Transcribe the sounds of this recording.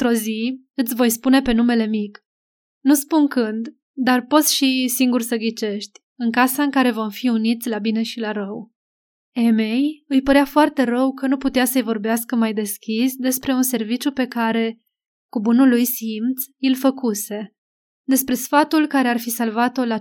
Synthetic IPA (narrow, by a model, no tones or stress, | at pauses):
t̪ɾo̞zi | ɨt̪sʲvo̞jspune̞pe̞nume̞le̞mik | nuspunkɨnd̪ | d̪arpo̞t̪sʲʃisiŋɡursəɡʲit͡ʃe̞ʃt̪ʲ | ɨŋkasaɨŋkaɾe̞vo̞mfiunit̪sʲlabine̞ʃilaɾəw | e̞me̞jɨjpəɾeafoart̪e̞ɾəwkənuput̪easəjvo̞rbeaskəmajd̪e̞skʲisd̪e̞spɾe̞unse̞rvit͡ʃupe̞kaɾe̞ | kubunulːujsimt̪sʲilfəkuse̞ | d̪e̞spɾe̞sfat̪ulkaɾe̞arfisalvat̪o̞la